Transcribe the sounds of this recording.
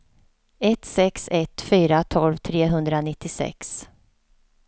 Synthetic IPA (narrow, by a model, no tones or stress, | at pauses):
ɛt̪sɛksɛt̪fyːɾat̪ʰɔlvt̪ʰɾeːɦɵnd̪ɾanɪt̪ːɪsɛ̰ks